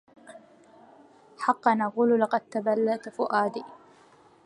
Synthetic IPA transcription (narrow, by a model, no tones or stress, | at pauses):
ħɑqːɑnaquːllɑqɑd̪̚t̪abalːaʔt̪fʊʔaːd̪iː